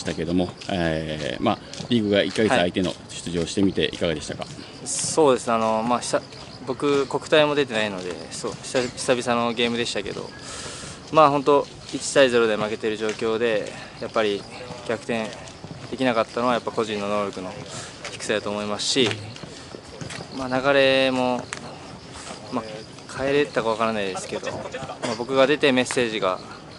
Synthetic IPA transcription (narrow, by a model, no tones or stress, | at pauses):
i̥t̪ake̞d̪o̞mo̞emaɾʲiːɡɯ̟ɡaʔikːaɡe̞ɨait̪e̞no̞̰ɕɨ̥t͡sɨʑioɕi̥t̪e̞mʲit̪e̞̰ʔikaɡad̪e̞ɕi̥t̪aka | so̞ːd̪e̞sɨnano̞maːç̥sa | bo̞kɯ̟ko̞kɯ̟̥aimo̞d̪e̞t̪̬e̞naino̞d̪e̞̰soç̥çi̥sabʲisano̞ɡe̞ːmɯ̟d̪e̞ɕi̥t̪ake̞̰d̪o̞̰ | maːɦo̞nt̪̬o̞ | it͡ɕi̥t̪aize̞ɾo̞d̪e̞make̞t̪e̞ɾɯ̟ʑo̞ːkʲo̞ːd̪e̞ | japːaɾʲi | ɡʲakɯ̟̥t̪ẽ̞n | d̪̥e̞kʲinakat̪ːano̞βajapːako̞ʑĩnːo̞no̞ːɾʲo̞kɯ̟no̞ | çi̥kɯ̟̥sed̪at̪oːmo̞imasɨ̥ɕi | manaɡaɾe̞mo̞ | ma | kʰaeɾe̞t̪ːakaβakaɾanaid̪e̞sɨ̥ke̞d̪o̞̰mabo̞kɯ̟ɡad̪e̞t̪e̞me̞sːe̞ːʑiɡa̰